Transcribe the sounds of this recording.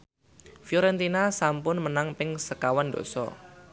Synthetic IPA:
fjɔɾɛnt̪inasampʊnmənaŋpɪŋsəkawando̰sɔ̰

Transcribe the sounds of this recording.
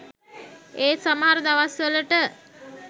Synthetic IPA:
eːsaməɦaɾəd̪aʋasʋələʈə

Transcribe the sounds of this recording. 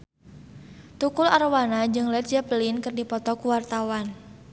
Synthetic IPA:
t̪ukulaɾwanad͡ʒɨŋlɛt̪̚d͡ʒapəlinkɨrdipɔt̪ɔkuwart̪awan

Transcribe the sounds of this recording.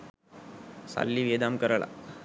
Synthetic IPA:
sa̰lːiʋed̪amkəɾəɭa̰

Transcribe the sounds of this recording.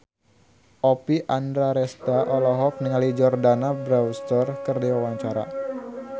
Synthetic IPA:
ʔopiʔandɾaɾɛst̪aʔɔlɔɦɔk̚niŋalid͡ʒɔrdanabɾawst̪ərkərdiwawaɲt͡ʃaɾa̰

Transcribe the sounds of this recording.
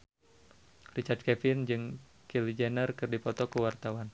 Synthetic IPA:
rit͡ʃard̪̚kɛfɪnd͡ʒɨŋ | kilid͡ʒɛnərkɨrdipɔt̪ɔkuwart̪awan

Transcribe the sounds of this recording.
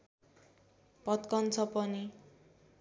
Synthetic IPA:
pʌt̪kʌnt͡sʰʌpʌni

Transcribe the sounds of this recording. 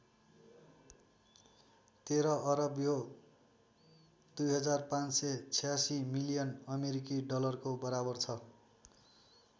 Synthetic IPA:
t̪eɾʌʔʌɾʌbjo | d̪̥ujɦʌd͡zarpãnset͡sʰijasimilijʌnʌmeɾikiɖʌlʌrkobʌɾabʌrt͡sʰʌ

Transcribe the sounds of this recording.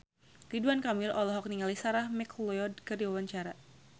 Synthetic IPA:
kiduankamɪlʔɔlɔɦɔk̚niŋalisaɾahmɛklɔɔd̚kərdiwawaɲt͡ʃaɾa

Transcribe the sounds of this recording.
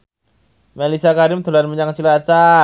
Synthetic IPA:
melisiakaɾɪmt̪o̤lanməɲaŋt͡ʃilat͡ʃa

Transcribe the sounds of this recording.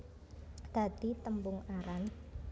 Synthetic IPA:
d̪̥ä̤d̪̥it̪əmbʊŋaɾan

